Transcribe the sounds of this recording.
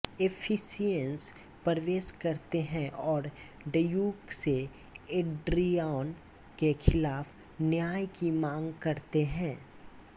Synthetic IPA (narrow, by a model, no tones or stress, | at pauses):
epʰɪsijəns | pəɾʋeːʃkɐɾt̪eɦɛ̃ʔɔːɾ | ɖəjuːkse | eɖɾijaːn | kexʰɪlaːf | njaːjkimãːŋɡkɐɾt̪eɦɛ̃ː